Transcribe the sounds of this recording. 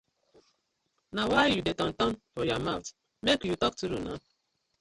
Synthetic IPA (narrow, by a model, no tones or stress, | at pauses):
nawajjudetɔ̃n̩tɔnfɔjɔmawt | mekjutɔk̚tuɾṵna̰